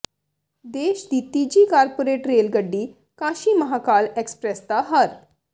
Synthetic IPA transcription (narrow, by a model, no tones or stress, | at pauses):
d̪eɕd̪it̪ːid͡ʑiːkaɾpoɾeʈɾelɡəɖːiː | kaɕiːməɦakalekspɾɛst̪aɦəɾ